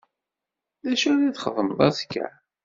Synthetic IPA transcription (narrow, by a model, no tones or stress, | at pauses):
ðæʃæðiθχəðˤəmðˤɑ̰θkːæ̰